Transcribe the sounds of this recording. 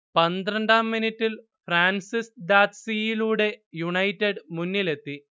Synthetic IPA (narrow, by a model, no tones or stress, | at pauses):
pɐnd̪rɐɳɖaːmːinitːil | fraːnsisd̪aːt̪sijiluːɽe̞juɳɐjtːeɖmunːile̞t̪ːi